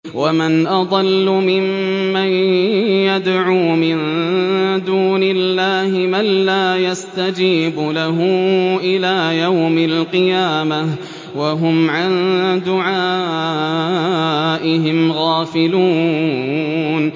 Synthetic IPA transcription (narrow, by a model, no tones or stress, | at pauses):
wamanʔɑd̪ˤɑlːʊmɪmː | anjad̪ʕuːmɪn | d̪uːnɪlːaːhɪmalːaːjast̪ad͡ʒiːbʊlaɦʊʔɪlaːjawmalqɨjaːma | waɦʊmʕand̪ʊʕaː | ʔɪɦɪmɣaːfɪluː | n